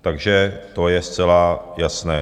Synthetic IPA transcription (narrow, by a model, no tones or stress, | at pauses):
t̪aɡʒɛt̪o̞jɛst͡sɛlajasnɛː